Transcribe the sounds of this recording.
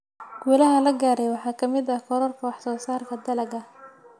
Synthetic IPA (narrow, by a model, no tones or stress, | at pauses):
ɡuːlɐɦɐlɐɡaːɾɛjwɑħɑːkʰɐmɪd̪ɐkʰɔɾɔrkʰɐwɑħsɔːsaːrkʰɐd̪ɐlɐɡɐ